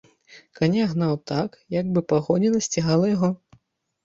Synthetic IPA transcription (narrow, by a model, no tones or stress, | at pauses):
kanʲaɣnawt̪akjaɡ̚bɨpaɣɔnʲɛnɐsʲt͡sʲiɣalˠɐjaɣɔ